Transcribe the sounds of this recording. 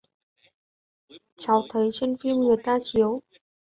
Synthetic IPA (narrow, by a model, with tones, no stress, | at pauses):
t͡ɕʰa˨˩wt̪ʰə˨˥˦jt͡ɕe˥nfi˥mŋi˨˩t̪aː˥t͡ɕʰi˨˦w